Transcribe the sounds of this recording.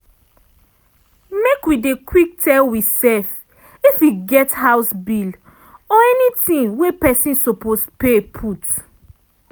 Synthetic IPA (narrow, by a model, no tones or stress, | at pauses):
mekwidekwik̚tɛlwisɛf | ifwiɡɛthaʊsbil | ɔɛnitĩnwepɛsĩnsopospepʰut